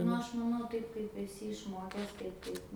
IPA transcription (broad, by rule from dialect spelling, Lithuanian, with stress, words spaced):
ˈnʊ ˈɐʃ mɐˈnɐʊ ˈtɐɪp kɐɪp ɛˈsʲɪ ɪʃˈmoːkʲɛs tɐɪ ˈtɐɪp